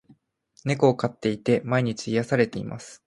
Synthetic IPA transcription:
ne̞ko̞ːkat̪ːe̞it̪e̞maiɲ̟it͡ɕiːjasaɾe̞t̪e̞ḭmʔa̰sɨ̥

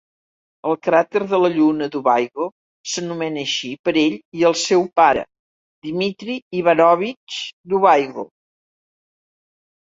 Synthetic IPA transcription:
əlˠkɾat̪əɾðələʎunəd̪uβajɣo | sənumɛnəʃipəɾeʎiəlˠsɛwpaɾə̰ | d̪imit̪ɾiːβanɔβit͡ʃd̪uβajɣo̰

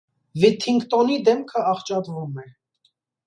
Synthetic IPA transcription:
vit̪ʰiŋkt̪ɔnid̪ɛmkʰəɑχt͡ʃɑt̪vumɛ

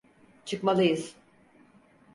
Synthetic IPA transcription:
t͡ʃʰɯkmalˠɯjɯz̥

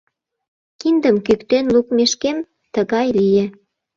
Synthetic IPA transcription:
kind̪əmkykt̪enlukmeʃkem | t̪əɣɑjlijĕ

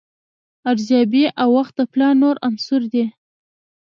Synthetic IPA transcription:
aɾzɑbiʔawːaxt̪̚d̪əplɑnoɾansʊɾd̪i

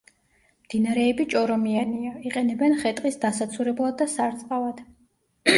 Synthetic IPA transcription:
md̪̥inaɾɛːbit͡ʃʼɔɾɔmianiaiqʼɛnɛbɛnχɛt̪ʼqʼisd̪asat̪sʰuɾɛblˠad̪ːasaɾt̪sʼqʼavad̪̥

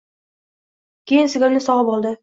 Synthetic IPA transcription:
kʲʰejɪnsɪɡʲamnɪsɒʁəpɒlˠd̪ɪ

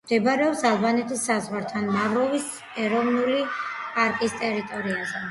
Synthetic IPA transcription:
md̪̥ɛbaɾɛɔpsalˠbanɛt̪ʰisːazʁwaɾt̪ʰanmavɾɔvis | ɛɾɔvnulipʼaɾkʼist̪ʼɛɾit̪ʼɔɾiazɛ

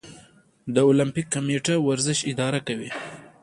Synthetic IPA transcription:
d̪əolampikːameʈawaɾzɪʃɪd̪ɑɾakawi

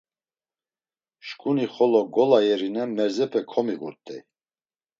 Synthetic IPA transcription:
ʃkʼuniχɔlɔɡɔlajɛɾinɛmɛɾzɛpʰɛkʰɔmiɣṵɾt̪ʼɛ̰j

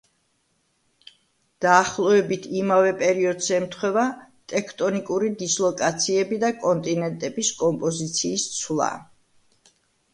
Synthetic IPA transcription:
d̪̥aːχlˠɔɛbit̪ʰimavɛpʼɛɾiɔd̪zɛmt̪ʰχwɛva | t̪ʼɛkʰt̪ʼɔnikʼuɾid̪islˠɔkʼat̪sʰiɛbid̪akʼɔnt̪ʼinɛnt̪ʼɛbiskʼɔmpʼɔzit̪sʰiːst̪sʰwlˠa̰

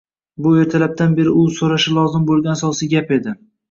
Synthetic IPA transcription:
bʊe̞ɾt̪ʰalap̚d̪anbe̞ɾɪʊsoɾaʃɪlˠɒzɪmbolˠɡʲanasɒsɪɡʲape̞d̪ɪ

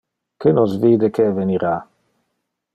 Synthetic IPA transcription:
kenosviːd̪ekeveniɾa

